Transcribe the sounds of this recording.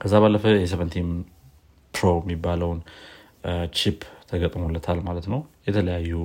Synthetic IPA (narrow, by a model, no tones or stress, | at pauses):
kʰəzːaβalːəfəjɛs̬ɛvənt̪ʰim | pɾoɛmːibːaləwn | t͡ʃʰipʰt̪ʰəɡət̪ʼmolːət̪ʰalmalət̪nəwjɛt̪ʰələjajːu